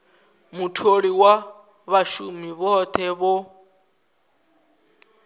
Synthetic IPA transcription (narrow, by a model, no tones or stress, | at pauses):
mutʰoɺiwa | βaʃumiβɔt̪ʰɛβɔ